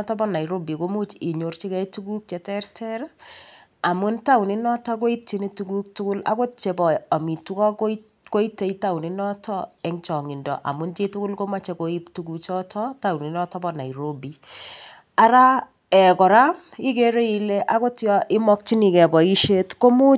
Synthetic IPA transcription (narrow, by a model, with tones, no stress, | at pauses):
tɔ˦bɔna˨iɾo˦bi˨ko˦mu˦t͡ʃɪ˨ɲo˨rt͡ʃi˦kɛtuku˦k̚t͡ʃɛ˨tɛ˦rtʰɛɾ | a˨mʊ˦nta˦wni˦nɔ˦tɔ˦k̬o˦i˦t͡ʃi˦ni˦tu˦ɡu˦k̚tu˦kʊ˦la̰˨ko˦t̚t͡ʃe˨bɔ˨a˨mi˨tu˦kɔ˦k | ko˦i˦te˦ita˦wnɪ˦nɔ˦tɔ˦ɛ˦ŋt͡ʃɔ˨ŋɪ˨ndɔ̰ʔa̰˨mʊ˦nt͡ʃe˦tu˦kʊ˦lko˦ma˦t͡ʃe˨koi˦ptuku˨t͡ʃɔ˦tʰɔta˦wni˨nɔ˦tɔ˦bɔna˨iɾobi | a˦ɾa˦ | ɛ˨kɔ˨ɾa˦ | i˦ke˦ɾe˦i˨le˦ʔa˦ko˦tjɔ˦ʔɪ˦mɔ˦k̚t͡ʃi˦ni˨kɛ˨bɔ˨i˦ʃe˦tko˦mu˦